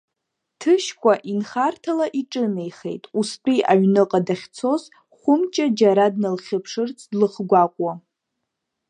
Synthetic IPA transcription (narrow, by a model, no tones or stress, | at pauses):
tʰɨʃkʷʰʼaʔinχartʰalaʔiʈ͡ʂʼɨnejχejtʼuspʰʼiʔaɥnɨqʼadaχʲt͡sʰo̞z | χʷʊmt͡ʃʼad͡ʒaɾadnɨlχʲɪpʰʂɨrt͡sʰdlɨχɡʷakʷʼwa